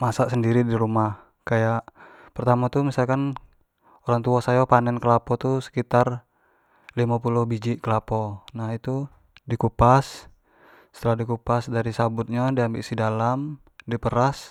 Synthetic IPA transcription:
masaʔsəndiɾidiɾumah | kajaʔpərt̪amat̪umisalkan | oɾaŋt̪uasajɔpanɛnkəlapɔt̪usə̥kit̪ar | limapulʊhbid͡ʒiʔkəlapɔnaɦit̪u | dikupasː | ə̥t̪əlahdikupasdaɾisabʊt̪̚ɲadiambiʔsidalam | dipəɾas

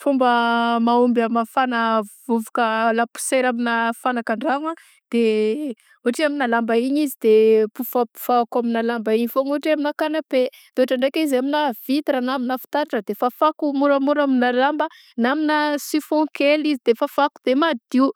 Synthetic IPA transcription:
fumbəmaumbamafanəvuvukəlapu̥seɾaminafanakaɳɖ͡ʐaŋa | d̪̥e | uaʈ͡ʂiaminalambaiɲizid̪epufapu̥v̥aakaminalambaiɲifoŋuɦaʈ͡ʂiaminakanape | d̪oaʈ͡ʂaɳɖ͡ʐekʲizaminav̥it̪iɾanaminafi̥t̪aɾaʈ͡ʂəd̪efafakumuɾəmuɾaminalambə | naminasifɔ̃kelizid̪̥efafakud̪emad̪iw

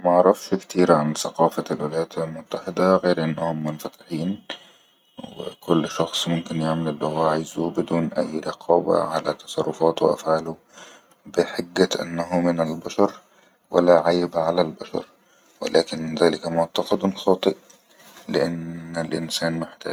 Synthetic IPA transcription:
maʕɑɾˤɑfʃkt̪iːɾʕansaqɑːfalwɪlajaːt̪almʊt̪ːaħɪd̪aɣeːɾʔɪnːahʊmːʊnfat̪ɪ̥ħiːn | wɪ̰kʊlːʃɑxsˤmʊmkɪnjaʕmalɪlːihʊwaʕɪzubɪd̪uːnʔa̰jːɾɑqʰɑːba̰ʕalat̪ɑsˤɑrˤːʊfɑːt̪wɪʔa̰fʕaːlʊ | bɪħaɡːaʔɪ̰nːaɦʊmɪnalbaʃɑɾˤ | wa̰lːaʕajbʕalalbaʃɑ̰ɾˤ | wɪ̰lʔaːkɪnðaːlɪkamʊʕt̪ɑqɑd̪nxɑːt̪ˤɨʔ | lɪʔanɪlʔɪ̰nsaːnmɪħt̪a̰ː

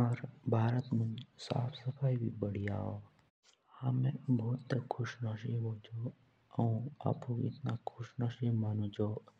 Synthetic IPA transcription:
aɾbʱaːɾət̪mʊ̃nd͡ʒsa̰ːpʰsəpʰaːibʱibəɽ̤ija̰ːoː | hɐmẽbʱɔːt̪ːəkʰʊʃnaːʃiɦod͡ʒoː | əũa̰pũɪ̰t̪nakʰʊʃnaːʃimaːnõd͡ʒoː

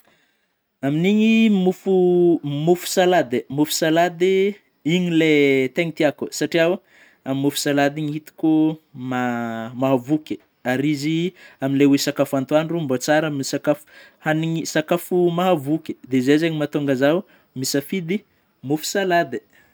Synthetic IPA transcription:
aminiɲimufumufu̥salad̪emufu̥salad̪i | iɲilet̪eŋit̪iakusaʈ͡ʂiaw | amimːufu̥salad̪iŋihit̪u̥kumamaɦavukʲə̥ | aɾiziaminlewesakafant̪uanrumbot͡saɾaminisakafu̥ | haniɲisakafumaɦavukʲe̥d̪ezezeɲimat̪oŋɡazaw | misafid̪i | mufu̥salad̪i̥

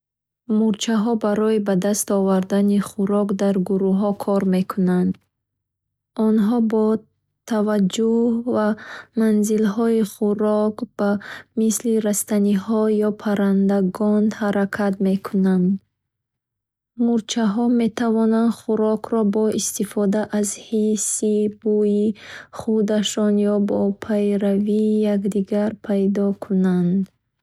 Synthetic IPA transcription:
muɾt͡ʃʰaɦɔbaɾɔibad̪ast̪ɔvaɾd̪aniχuɾɔkd̪aɾɡuɾuɦɔkʰɔɾme̞kʰunand̪ | ɔnɦɔbɔ | t̪ʰavad͡ʒuhhvamanzilɦɔiχuɾɔkb̥amisliɾast̪anihɔjɔpʰaɾand̪aɡɔnhaɾakʰat̪me̞kʰunand̪ | muɾt͡ʃʰaɦɔme̞t̪ʰavɔnand̪χuɾɔkʰɾɔbɔist̪ifɔd̪aʔazhisibujiχud̪aʃɔnjɔbɔpʰajɾavijakd̪iɡaɾpʰajd̪ɔkʰunand̪

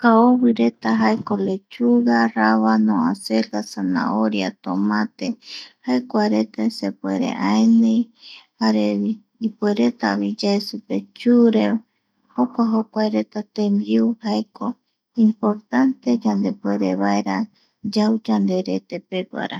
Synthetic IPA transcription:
kaoβɨɾe̞t̪aɦaekolet͡ʃuɣaraβanõaselɡasanã̰oɾjat̪omãt̪ehaekʷaɾet̪asepweɾḛʔaenẽjhaɾe | ipweɾe̞t̪aβid͡ʒaesupe̞t͡ʃuɾe | hokʷaɦokʷaeɾe̞t̪at̪ẽmbiuhaeko | impoɾt̪ant̪e̞d͡ʒand̪epweɾeβaeɾa | d͡ʒawd͡ʒand̪e̞ɾet̪epeɡʷa̰ɾa

